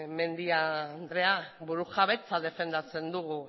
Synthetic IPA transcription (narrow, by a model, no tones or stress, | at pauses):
me̞nd̪iand̪ɾe̞aβuɾusaβet͡saðe̞fe̞nd̪at͡se̞nd̪uɣu